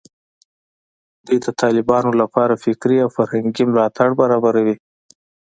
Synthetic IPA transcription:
d̪̥ujd̪ət̪ʰɑlɪbɑnolapɑɾafɪkɾiawfaɾhaŋɡimlɑt̪aɽbaɾɑbaɾawi

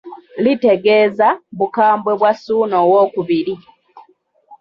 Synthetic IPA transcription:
lite̞ɡe̞ːzaβukaːmbwe̞βwasuːnoːwoːkuβiɾi

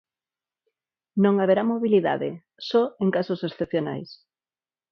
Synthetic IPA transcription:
nõŋaβeɾamoβiliða̰ðḛ | sɔeŋkasosesθepθjona̰js

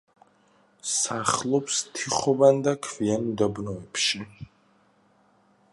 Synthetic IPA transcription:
saχlˠɔpst̪ʰiχɔband̪akʰvianud̪abnɔɛpʃi

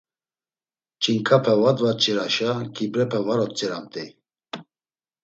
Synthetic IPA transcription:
t͡ʃʰʼiŋkʼʰapʰɛvad̪vat̪̚t͡ʃʰʼiɾaʃakʰʼibɾɛpʰɛvaɾɔt̪̚t͡sʼiɾamt̪ʼi

